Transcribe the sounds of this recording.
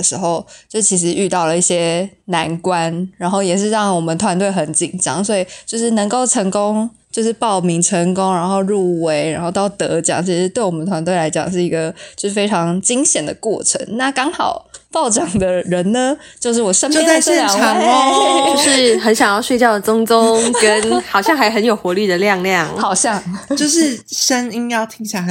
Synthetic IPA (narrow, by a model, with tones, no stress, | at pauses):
ʂɻ̩˧˥xo˥˧ʊt͡ɕjo˥˩t͡ɕʰi˧˥ʂ̬ɻ̩˧˥y˥˧t̪ɑ˥˩ʊlə˩i˥˩ɕjɛ˥ | na˧˥nkwa˦nɻa˧˥nxo˥˩ʊjɛ˨˩ʂ̬ɻ̩˥˧ɻɑ˥˩ŋwɔ˨˩mə˨nt̪ʰwa˧˥nt̪we˥˩ɪxə˧˥nt͡ɕi˨˩nʈ͡ʂɑ̰˥ŋswɔ˧˥i˨˩t͡ɕjo˥˧ʊʂɻ̩˥˩nə˧˥ŋko˥˩ʊʈ͡ʂʰə˧˥ŋko˥ŋt͡ɕjo˥˧ʊʂɻ̩˥˧pɑ˥˨˩ʊmi˧˥ŋʈ͡ʂʰə˧˥ŋkʊ˥ŋɻa˧˥nxo˥˧ʊɻu˥˩we˧˥ɪɻa˧˥nxo˥˧ʊt̪ɑ˥˩ʊt̪ɤ˧˥t͡ɕjɑ̰˨˩˦ŋt͡ɕʰi˧˥ʂɻ̩˧t̪we˥˩ɪwɔ˨˩mən˩t̪ʰwa˧˥nt̪we˥˩ɪla˧˥ɪt͡ɕjɑ̰˨˩ŋʂ̬ɻ̩˥˩i˧˥ɡə˧t͡ɕjo˥˧ʊʂɻ̩˥˩fe˥ɪʈ͡ʂʰɑ˧˥ŋt͡ɕi˥ŋɕjɛ˨˩nd̪ə˩kwɔ̰˥˩ʈ͡ʂʰə̰˧˥˦ŋna˥˩kɑ˥ŋxɑ˨˩ʊpɑ˥˩ʊʈ͡ʂɑ˨˩ŋd̪ə˨ɻə˧˦nnə˧ | t͡ɕjo˥˧ʊʂ̬̩˥˩wɔ˨˩ʂə˥npo˥˧ʊja˥˧ɪɕɛ˥˨n˨ʈ͡ʂʰɑ˨˩ŋ˧˥ʂɻ̩˥˩xə˧˥nɕjɑ˨˩ŋjɑ˥˩ʊɕwe˥˧ɪt͡ɕjɑ˥˩ʊd̪ə˩t͡sʊ˥ŋt͡sʊ˥˦ŋŋkə˦˥nxɑ˨˩ʊɕjɑ˥˩ŋxa˧ɪxə˧˦njo˨˩ʊxwɔ˧˦ly˥˩d̪ə˩ljɑ˥˧ŋljɑ˥˨˩ŋxɑ˨˩ʊɕjɑ˥˨ŋt͡ɕjo˥˧ʊʂɻ̩˥˩ʂə˦˥ni˦njɑ˥˩ʊt̪ʰi˦˥ŋɕja˥˩˧